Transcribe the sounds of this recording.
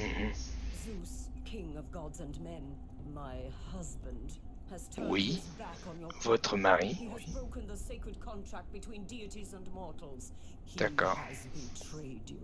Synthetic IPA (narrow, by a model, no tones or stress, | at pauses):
m̩m̩zuskʰɪ̃ŋʌvɡɑdzɨ̃nmɛ̃n | maɪhʌzbə̃nd̥ | hɨz̥tʰwibækn̩jəvɔt̪χəmaʁihiɨzbɹoʊkɨ̃nðəseɪkɹɨd̚kʰɑ̃ntʰɹ̥æk̚t̚b̥ɨtʰw̥ĩndiɨɾizə̃nmɔɹɾl̩ˠz̥ | hd̥̪akɔːʁzbɨtʰɹ̥ed̰